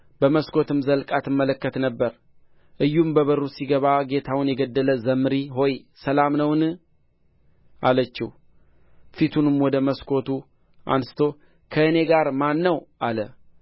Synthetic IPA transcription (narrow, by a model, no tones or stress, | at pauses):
bəməskʰo̞t̪ɨmzəlkʼat̪ɨmːələkːət̪nəbːəɾ | ʔɨjːumbəβəɾusiɡəβaɡe̞t̪ʰawʊnjɛɡəd̪ːələzəmɨɾiɦo̞jsəlamnəwn | ʔa̰lət͡ʃːḭh | fit̪ʰunɨmwɔd̪əməskʰo̞t̪u | ʔa̰nsɨ̥t̪ʰo̞ | kʰəɨne̞ɡaɾmanːəwʔalə